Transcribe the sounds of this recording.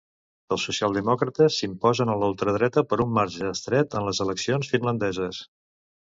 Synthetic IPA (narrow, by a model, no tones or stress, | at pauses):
əlˠsusialˠd̪əmɔkɾət̪əsːimpɔzənəlalˠt̪ɾəð̞ɾɛt̪əpəɾumːaɾʒəːst̪ɾɛt̪ənləzələksionsfinlənd̪ɛzəs